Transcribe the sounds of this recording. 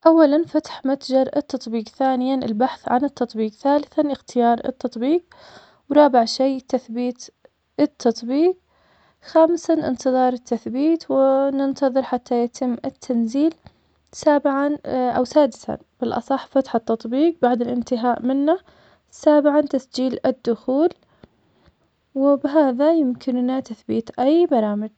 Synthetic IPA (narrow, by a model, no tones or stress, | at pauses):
ʔawːalanfat̪ħmat̪d͡ʒɑɾˤɪt̪ːɑt̪ˤbiːqθaːnɪjaɪ̰lbaħθʕanɪt̪ːɑt̪ˤbiːqθaːlɪθanɪxt̪ʰɪjɑːɾˤɪ̰t̪ːɑt̪ˤbiːq̚ | wɾˤɑːbɪʕʃijt̪ːaθbiːt̪ | ʔɪt̪ʰːɑt̪ˤbiːq̚ | xaːmsanʔɪ̰nt̪ɨðˤɑːɾˤɪt̪ːaθbiːt̪wɪnɪnt̪ɑðˤɨɾħat̪ʰːajat̪ʰɪmːɪt̪ʰːanziːl | saːbɪʕanʔa̰wsaːd̪ɪsa̰ | b̥ɪlʔɑ̰sˤɑħːfat̪ħɑt̪ːɑt̪ˤbiːqbaʕd̪ɪlʔɪnt̪ɪɦaːʔmɪnːa | saːbɪʕant̪asd͡ʒiːlɪd̪ːʊxuːl | wɪbɪɦaːðajɪmkʰɪnnat̪aθbiːt̪ʔajbɑɾˤɑːmɪd͡ʒ